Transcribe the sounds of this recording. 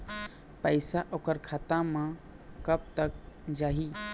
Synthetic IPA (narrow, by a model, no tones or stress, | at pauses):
pəjsaʔokəɾkʰat̪amã | kəb̚t̪ək̚d͡ʒaːɦi